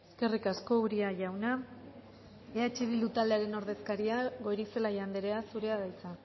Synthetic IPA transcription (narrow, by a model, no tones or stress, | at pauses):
eske̞rikasko̞uɾiaʝawna | eat͡ʃiðild̪ut̪ald̪eaɾe̞no̞ɾðe̞skaɾiaɣo̞ɾise̞laʝand̪eɾe̞asuɾe̞aðajt͡sa